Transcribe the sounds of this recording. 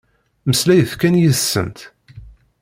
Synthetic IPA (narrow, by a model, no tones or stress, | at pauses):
məslæjəθkænjəsːə̰nt̪